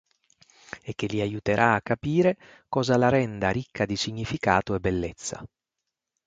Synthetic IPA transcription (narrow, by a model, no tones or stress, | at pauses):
ek̟ːelːiajut̪eɾʔaːakːapiːɾe | kɔːzalaɾɛnd̪aɾikʰːad̪isiɲːifikaːt̪oɛbːelːet̪sːa̰